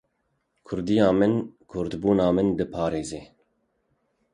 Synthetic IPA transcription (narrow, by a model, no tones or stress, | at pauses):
kʰʊɾd̪ijɑːmɨnkʰʊɾd̪buːnɑːmɨnd̪ɨpʰɑːɾeːzeː